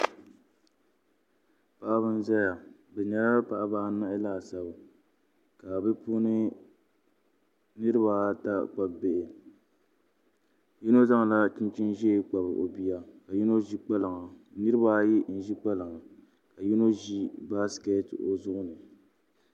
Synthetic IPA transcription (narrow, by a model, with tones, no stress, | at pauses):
pa˨ʔa˦βɨ˦n˦za˦ja˨bɛ˨ɲɛ˦la˦pa˨ʔa˦baː˦na˦ʔɪ˦laː˦˨sa˨b | ka˨bɨ˦pu˦nɨ˦ | nɨ˦ɾɨ˦ba˨˦ta˦k͡pa˨bbe˨ʔɪ˨ | ji˦no˦za˦ŋa˨la˦t͡ʃi˦n˦t͡ʃi˦nʒɛ˦k͡pa˨bɨ˨ʔo̰˨bi˦ja˦ka˨ji˦no˦ʒi˦k͡pa˦lɨ˨ŋa˨nɨ˦ɾɨ˦ba˦ji˦ʔn̩˦˨ʒi˦k͡pa˦lɨ˨ŋa˨ | ka˨ji˦no˦ʒi˦ba˦ske˦to̰˨zʊ˦ʔʊ˦nɨ˨